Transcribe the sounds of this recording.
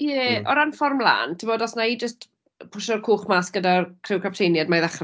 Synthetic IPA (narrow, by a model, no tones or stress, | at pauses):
jɛɔɾanfɔrmla̰ːntʰiboːdɔsnaid͡ʒəst | pʰʊʃɔrkʰuːχmaːsɡ̥ədakʰrɪwkʰap̚tʰejnjadmajðaχr